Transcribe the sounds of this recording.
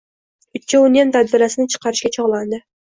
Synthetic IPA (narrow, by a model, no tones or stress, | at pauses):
ʊt̪̚t͡ʃːaʊnijant̪ʰad̪bɪɾasɪnɪt͡ʃʰɨ̥qɑɾɪʃkʲat͡ʃʰɒʁlˠand̪ɪ